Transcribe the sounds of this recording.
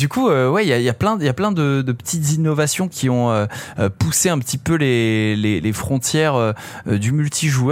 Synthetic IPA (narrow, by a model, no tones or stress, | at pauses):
d̪ykʰuøwɛiljailjaplɛ̃japlɛ̃d̪əd̪əpə̥t̪ʰit̪zinɔvasjɔ̃kʲʰiɔ̃øpuseɛ̃pət̪ipølelelefχɔ̃t̪jɛʁø | d̪ymylt̪ʰiʒuœ